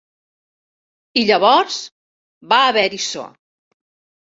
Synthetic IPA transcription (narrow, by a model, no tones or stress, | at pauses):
iʎəβɔɾz | baːβɛɾiso̰